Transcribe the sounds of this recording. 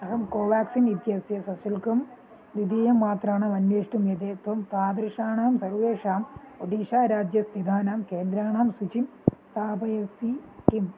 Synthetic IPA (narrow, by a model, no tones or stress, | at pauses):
ɐɦɐmkoːʋaːksinid̪jɐsjɐsɐsilkɐm | ʋ̪id̪ijɐmːaːt̪raːɳaːmɐnjeːʂʈumjɐd̪eːt̪ʋɐmt̪aːd̪ɾiʂaːɳaːmsɐɾʋeːʂaːm | oɖ̪iːʂaːɾaːd͡ʒjɐst̪ʰid̪ʱaːnaːmkeːnd̪ɾaːɳaːmsut͡ʃim | st̪ʰaːpɐjesiʈim